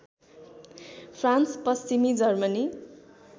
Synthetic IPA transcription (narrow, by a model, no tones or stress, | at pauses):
pʰranspʌst͡simid͡zʌrmʌni